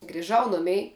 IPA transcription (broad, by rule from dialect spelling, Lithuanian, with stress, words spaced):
ɡrʲɪˈʒɐʊ ˈnʊmʲɛɪ